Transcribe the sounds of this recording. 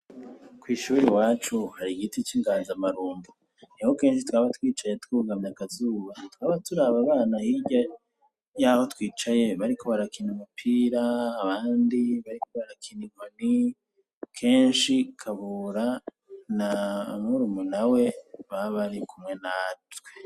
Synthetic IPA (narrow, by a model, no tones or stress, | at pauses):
kwiːʃuɾiwaːt͡ʃuhaɾiɡitit͡ʃiŋɡaːnzamaɾuːndu | niho̞ke̞ːnʃ̬itwaːβatwiːt͡ʃajetwuːɡamɲakazuːβatwaːβaɾatuɾaβaβaːnahiɟa | jaho̞twiːt͡ʃaje̞βaɾikʰo̞βaɾakinimapʰiːɾaːβaːndiβaɾiko̞βaɾakʰinimani | kʰe̞ːnʃikʰaβuɾa | namuɾumunawe̞βaβaɾikʰumŋe̞natwe